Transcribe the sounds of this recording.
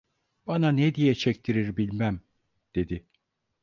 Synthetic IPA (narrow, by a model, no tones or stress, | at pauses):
b̥ananed̪ijɛt͡ʃʰɛc̚t̪ʰiɾiɾbilʲmæm | d̪̥e̞d̪ɪ